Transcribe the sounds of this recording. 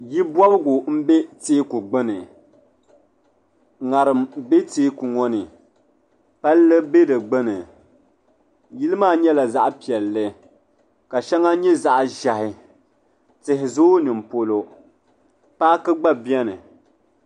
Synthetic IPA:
ji˦bwɔ˦bɨ˦ɡʊ˨m̩˦be˦teː˦ku˨ɡ͡bɨ˦nɨ˨ | ŋa˨ɾɨ˨mbe˦teː˦ku˨ŋɔ˦nɨ˨ | pa˦llɨ˦be˦dɨ˨ɡ͡bɨ˦nɨ˨ | ji˦lɨ˦maː˦˨ɲɛ˦la˨za˦ʔpi˨ɛ˨lːɨ˦ | ka˨ʃɛ˦ŋa˦ɲɛ˦za˦ʔʒa˨ɦɪ˨ | tɪ˨ɦɪ˨zoː˦nɨ˨m˨po˦lo˦ | paː˦kɨ˦ɡ͡ba˦bi˦ɛ˦nɨ˨

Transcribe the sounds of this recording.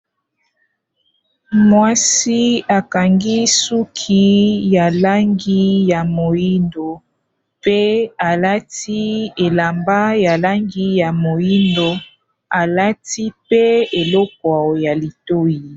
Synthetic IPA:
mwa˦si˦a˨ka˨ŋɡi˦su˦kʰi˦ja˨la˦ŋɡi˦ja˨mo˨ji˦ndo˨ | pe˦a˨la˦ti˦e˨la˨mba˦ja˨la˦ŋɡi˦ja˨mo˨ji˦ndo˦ | a˨la˦ti˦pe˦e˨lɔ˦k̚ɔ˨ja˨li˨to˦ji˨

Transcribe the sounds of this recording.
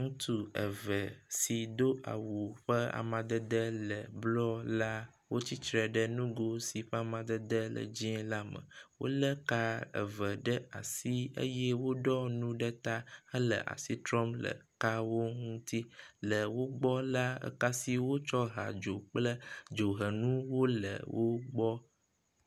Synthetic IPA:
ŋũ˦t̪u˨ə̰˨və˨si˨d̪o˦a̰˨wu˨ɸə˦a̰˨mã˨d̪ə˦d̪ə˦lə˨blɔ˦la˦ | wo˦t͡ɕi˦t͡ʃɾɛ˨ɖə˦nũ˦ɡo˦si˨ɸə˦a˨mã˨d̪ə˦d̪ə˦lə̰˨d͡ʑĩ˦la˦mə̰̃˨wo̰˦lə˦ka˦ə̰˨və˨ɖə˦a˨si˦ə̰˦jɛ˦wo˦ɖɔ˦nũ˦ɖə˦t̪a˦hə˦lə̰˨ʔa̰˨si˦t̪ɾɔ˦mlə̰˨ka˦wo˦ŋũ˦t̪i˦lə˨wo˦ɡ͡bɔ˦la˦ə̰˨ka˦si˦wo˦t͡ʃɔ˦ɦa̰˨d͡ʒo˨k͡plə˦d͡ʒo˨ɦə˨nũ˦wo˦lə̰˨wʔo˦ɡ͡bɔ˦

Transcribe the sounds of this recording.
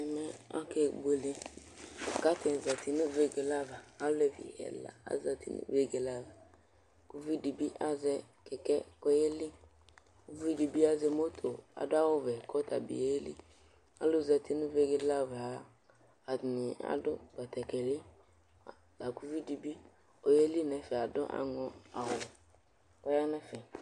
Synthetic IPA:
ɛ˨mɛ˦a̰˦ke˦bo˨le˦ | a˨ka˦t̪ɪ˨za˨ti˨nʊ̃˦ve˦ɡe˨la˦va˨a˦le˦˨vḭ˨ɛ̰˨la̰˨a̰˨˦za˨tḭ˨˦nṵ˦ve˦ɡe˨la˦va˨ | ku˦vi˦di˨bi˦ʔa˦zɛ˦ | kɛ˨kɛ˦kɔ˦je˦li˦ | ku˦vi˦di˨bi˦a˦zɛ˧mo˦t̪ʰo˨a̰˨dʊ˦a˦wʊ˦vɛ˨kʰɔ˦tʰa˨bḭ˨e˦lḭ˦ | a̰˨lʊ˦˨za˨tʰi˦nʊ̃˦ve˦ɡe˦la˦va˨˦ | a˨nɪ˨a̰˨dʊ˦ba˨t̪ɛ˨kɛ˨lɪ˦˨ | la˨ku˦vi˦di˨bi˦ | o˨je˦li˦nɛ˨fɛ˨a˨dʊ̰˦ʔa̰˨ŋɔ˦a˨ɦʊ˨ | kɔ˦ja˦nɛ˦fɛ˨

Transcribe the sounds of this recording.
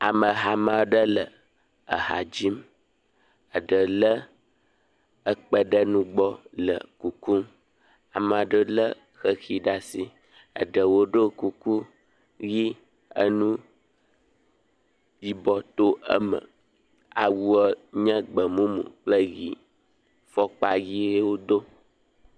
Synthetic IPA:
a˨mə̃˨ɦa˨mã˨˦ɖə˦lə˨ | ə˨ɦa˨d͡ʑi˦m | ə˨ɖə˨lə˦ | ə˦k͡pə˦ɖə˦nũ˦ɡ͡bɔ˦lə̰˨ku˨ku˦m | a˨mã˨ɖə˦lə˦ | xə˦xi˦ɖa˦si˦ | ə̰˨ɖə˨wo˦ɖə˦ku˨ku˦ | ɣi˦ | ə̰˦nũ˦ | di˦bɔ˨t̪o˦ə̰˦mə̰̃˨ | a˨wu˦ə˦ɲə̃˦ɡ͡bə˨mũ˦mṵ̃˨k͡plə˦ɣi˨ | fɔ˦k͡pa˦ɣi˦e˦wo˦d̪o˦

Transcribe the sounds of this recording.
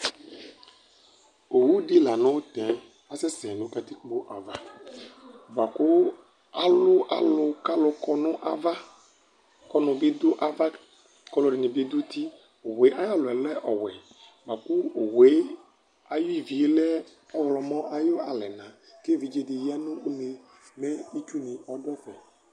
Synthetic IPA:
o˨wu˦dɪ˦la˨nʊ̃˦wt̪ɛ˨ | a˦sɛ˦sɛ˨nʊ̃˦ka˦t̪i˦kk͡po˦ʔa˨va˦ | ɡ͡ba˨kʊ˦ | a˨lʊ˦ʔa̰˨lʊ˦ka˦lʊ˨kɔ˦nʊ˦ʔa̰˨va˦ | kɔ˦nʊ̃˨bɪ˦d̪ʊ˦ʔa˨va˦ | kɔ˨lʊ˨ɖɪ˨nɪ̃˨be˦d̪ʊ˦t̪i˦ | o˨we˨˦ʔa˦ja˦lʊ˨ɛ˨lɛ˦ʔɔ˨wɛ˨ | ba˨kʊ˦o˨we˨˦ | a˨jʊ˦i˨vi˨e˦lɛ˦ | ɔ˦wlɔ˨mɔ̃˦ʔa˦jʊ˦a˨lɛ˨nã˨ | ke˦˨vi˨d͡ʒe˨dɪ˨ja˦nʊ̃˦u˦ne˨ | mɛ˦i˦t͡ʃu˦nɪ̃˨ʔɔ˦dɔ˦fɛ˨

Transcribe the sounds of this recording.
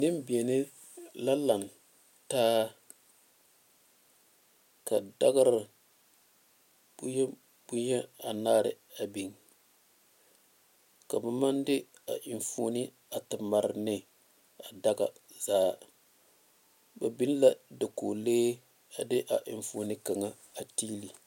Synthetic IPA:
nɪ˦mbi˨e˨nɪ˦ | la˦la˨n | taː˦ | ka˨da˦ɡa˦ɾɪ˨ | bu˦ɲɛ˦ | b̥u˦ɲɛ˦a˨naː˦ɾɪ̰˨ | a˨bi˨ŋ | ka˨ba˨ma˦ndɪ˦ | a̰˨ʔɪ˨ɱfoː˦ni˦ | a˨tɨ˨ma˨ɾɪ˨nɪ˦ | a˨da˦ɡa̰˨ | zaː˦ | ba˨bi˦n˦la˦da˨koː˨leː˦ | a˨dɪ˦ʔa˨ʔɪ˨ɱfoː˨˦ni˦ka˨ŋa˦ | a˨tiː˦li˨

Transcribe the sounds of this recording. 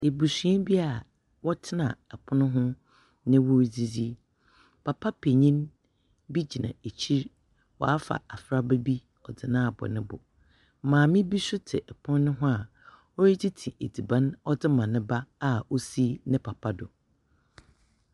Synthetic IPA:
e˨bu˨sĩ˨ɛ̃˦bi˦a˨ | wɔ˦tʰɪ˦nã̰˨ɛ˨pʰʊ˦nʊ̃˦ɦʊ̃˦ | nɪ̃˦wʊ˦ɾd͡zi˦d͡zi˦ | pʰa˨pʰa˦pʰe˨ɲĩ˦n | bi˦d͡ʑi˨nã̰˨e˨t͡ɕʰi˦ɾ | wɔ̰˨a˦fa̰˨a˨fɾa˦be˦bi˦ | ɔ˨dɪ˨nã˦a˨bɔ̰˨nɪ̃˦bʊ̰˨˦ | mãː˨mɪ̃˦bi˦sʊ˦tʰɪ˨ʔɛ˨pʰʊ̃˦nː˦nʊ̃˦ɦʊ̃˦a˨ | ɔ˦ɾi˦d͡ʑʰi˦tʰĩ˨ʔe˨di˨bã˦nɔ˦d͡zɪ˦mã˨nɪ̃˦ba˦a˨o˦si˦nɪ̃˦pʰa˨pʰa˦dʊ˨

